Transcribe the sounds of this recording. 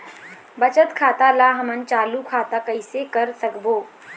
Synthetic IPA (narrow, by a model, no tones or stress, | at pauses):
bɐt͡ʃət̪kʰaːt̪alaːɦɐmənt͡ʃaːlukʰaːt̪akɐɪsekɐɾsɐkboː